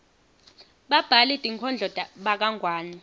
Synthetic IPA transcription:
ɓab̥ʱalitʼiŋkʰɔnd͡ɮʱɔdʱʼaɓak̬aŋʱwaːni

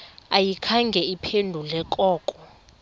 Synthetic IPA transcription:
ajikʰaŋɡʱɛipʰendʱulɛkʼɔːkʼɔ

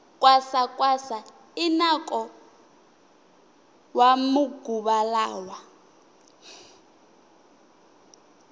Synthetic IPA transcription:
kʼwasakʼwasa | inakʼɔ | wamuɡuɓalaːwa

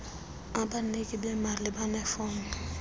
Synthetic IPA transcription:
ãbanekibɛmaɾlebanɛfɔŋ

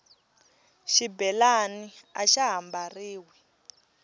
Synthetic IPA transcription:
ʃibɛlaniaʃaɦambariːwɛ

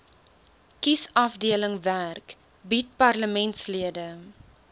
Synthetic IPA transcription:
kisɐfdiələŋværk | bit̚pɐrləmɛntsliədə

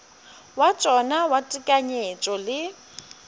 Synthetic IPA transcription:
wat͡ʃʼɔnawatʼikʼaɲet͡ʃʼɔlɪ

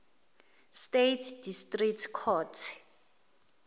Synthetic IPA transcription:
stetʰdistʼriktʰkʰɔtʰ

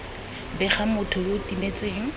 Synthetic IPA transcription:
bɛχamʊtʰʊjotimet͡sʼeːŋ̩

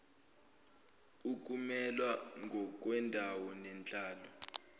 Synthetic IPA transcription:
uk̬ʼumɛlwaŋɡʱɔk̬wɛndʱawɔnɛnt͡ɬʼaːlɔ

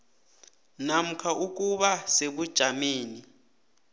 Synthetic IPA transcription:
nam̩kʰaʔuk̬ʼuɓaseɓud̥ʒ̥ʱameːni

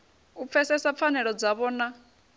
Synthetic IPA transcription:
up̪fʰɛsɛsap̪fʰanɛɺɔd͡zaβɔːna

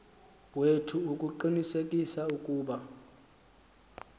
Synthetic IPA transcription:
wetʰuukʼuǃinisekʼisaukʼuːɓa

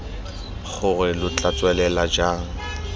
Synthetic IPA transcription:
χʊrɪlʊt͡ɬʼat͡sʼwɛlɛlad͡ʒaːŋ̩

